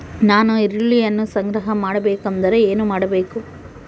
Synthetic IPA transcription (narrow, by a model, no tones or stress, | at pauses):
naːnuiɾiɭːijɐnːusɐŋɡɾɐɦɐmaːɽɐbeːkɐnd̪ɐɾeeːnumaːɽɐbe̞ːku